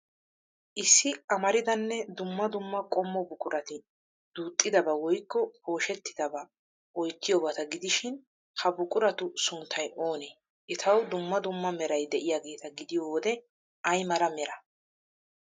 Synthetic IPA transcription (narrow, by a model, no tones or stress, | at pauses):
ʔɪsːɪʔɐmɐɾɪd̪ɐnːɛd̪ʊmːɐd̪ʊmːɐkʼɔmːɔbʊkʼʊɾʔɐt̪ɪ | d̪̥uːt̪ʼːɪd̪ɐbɐwɔjkːɔpo̞ːʃɛt̪ːɪ̥d̪ɐbɐ | ʔɔjt̪ːɪjoːbɐt̪ɐɡɪd̪ɪʃɪn | hɐbʊkʼʊɾɐt̪ʊsʊnt̪ʰːɐjʔo̞ːneː | ʔɪt̪ʰɐwd̪ʊmːɐd̪ʊmːɐmɛɾɐjd̪ɛʔɪjaːɡe̞ːt̪ɐɡɪd̪ɪjoːd̪ɛ | ʔɐjmɐɾɐmɛɾɐ